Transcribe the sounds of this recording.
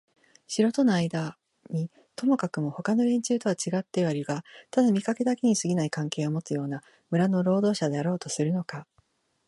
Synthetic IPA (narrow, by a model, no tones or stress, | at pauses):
ɕiɾo̞t̪o̞naaid̪a | ɲ̟i | t̪o̞mo̞kakɯ̟mo̞ho̞kano̞ɾẽ̞ɲ̟t͡ɕɨːt̪o̞β̞at͡ɕiɡat̪ːe̞βaɾʲiɡat̪ad̪amʲikake̞d̪ake̞ɲ̟isɨɡʲinaikãŋke̞ːo̞mo̞t͡sɨjo̞ːna | mɯ̟ɾano̞ɾo̞ːd̪o̞ːɕad̪e̞aɾo̞ːt̪o̞sɨɾɯ̟no̞ka